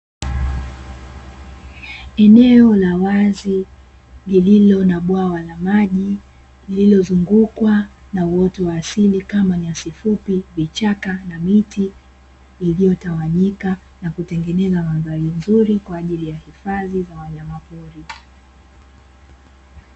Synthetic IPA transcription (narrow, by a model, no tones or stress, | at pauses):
ɛnɛɔlawazi | lililɔnaɓwawalamaʄi | lililɔzuŋɡukwa | nauwɔtɔwaːsilikamaɲiasifupivit͡ʃakanamitiː | lijɔtawaɲika | nakutɛŋɡɛnɛzamazalin̩zuɾikwaːʄilijahifaðizawaɲamapuɾi